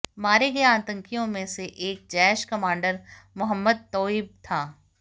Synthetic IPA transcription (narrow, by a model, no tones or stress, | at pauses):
maːɾeɡɐjeaːt̪ə̃ŋkijõmẽseʔeːk̚d͡ʒɛːʃkɐmãːɳɖəɾ | mʊɦəmːəd̪̚t̪ɔːib̚t̪ʰaː